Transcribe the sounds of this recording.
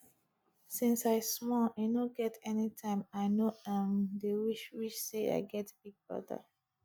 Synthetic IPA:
sĩnsaɪsmɔanoɡɛtɛnitʰãɪ̃maɪnoãndewiʃwiʃsea̰ɪɡɛtb̥iɡ̚bɔ̰da̰

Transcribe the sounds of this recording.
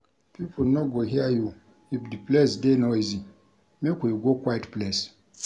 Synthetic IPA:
pʰipʰonɔɡoɦiaju | ifdiplɛsdenɔizi | mekujuɡokʰwaitplɛs

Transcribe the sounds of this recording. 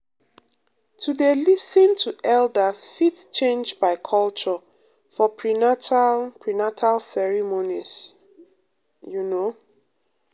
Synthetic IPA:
tʰudelisə̃ntʰuʔɛldəsfitt͡ʃẽnd͡ʒbaɪkʰɔlt͡ʃɔ | fɔpʰɹinatpʰɹinatʰalsɛɹimonis | juno

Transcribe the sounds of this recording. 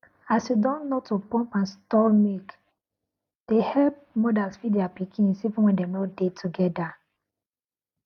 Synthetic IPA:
asjudɔ̃nːotupɔ̃mpãnstɔmik | d̥ehɛlp̚mɔdalsfidiapikʰĩnsivũnwɛ̃ndɛmnɔdetʰuɡɛda

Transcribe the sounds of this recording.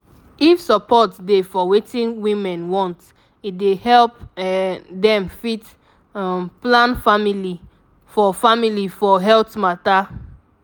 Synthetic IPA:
ifsɔpɔtdefɔwetĩnwĩmɛ̃nwɔ̃nt | idehɛlp | dɛ̃mfit | plãnfamili | fɔfamilifɔɦɛltmata

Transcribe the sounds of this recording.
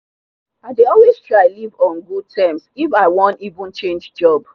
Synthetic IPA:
aɪdeɔlwez̥tʰɹ̥aɪlivɔ̃nɡud̚tʰɛmsifaɪwɔ̃ntivũnt͡ʃẽnd͡ʒd͡ʒɔb

